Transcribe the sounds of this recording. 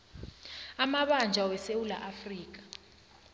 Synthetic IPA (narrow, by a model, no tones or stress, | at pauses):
amaɓand͡ʒʱawɛsewula̰ʔafriːk̬ḁ